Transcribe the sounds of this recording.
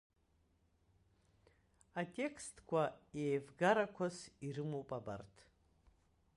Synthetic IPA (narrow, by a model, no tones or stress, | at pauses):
atʼe̞kʰstʰʼkʷʰaejvɡaɾakʷʰasiɾɨmowpʼaba̰rtʰ